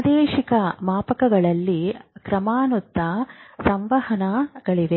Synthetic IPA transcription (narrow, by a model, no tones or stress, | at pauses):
d̪eːʃikɐmaːpɐkɐɡɐɭɐlːikɾɐmaːnut̪ːɐsɐmʋɐhɐnaɡ̥ɐɭiʋe